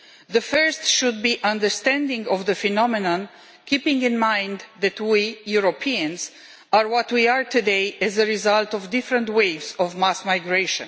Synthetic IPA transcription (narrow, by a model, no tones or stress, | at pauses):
ðəfɜɹstʃud̪̚biʔãndəɹst̪ɛ̃ndɪ̃ŋɡɔvðəfɛnɔmɛnə̃n | kʰipɪ̃ŋɡɪ̃nmãj̃nd̪ðɛtwijuɹopʰiə̃nz | aɹwɔtwiaɹt̪ʰudeɪɛzəɹizaltɔvdɪfɹə̃ntweɪvzɔvmasmajɡɹeʃə̰̃n